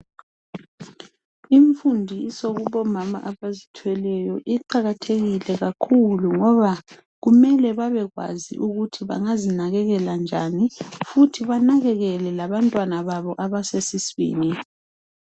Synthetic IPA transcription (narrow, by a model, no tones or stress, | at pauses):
iɱfundʱiːsoɣuβɔmama̰ʔaβazitʰwɛlɛjɔʔiǃaɣatʰeɣilɛɣakʰuluŋɔβa | ɣumɛlɛβaβɛɣwa̰zḭʔuɣutʰiβa̰ŋazinaɣɛɣɛland͡ʒʱanifutʰiβanaɣɛɣɛlɛlaβantʼwanaβaβɔʔaβasesisβḭːni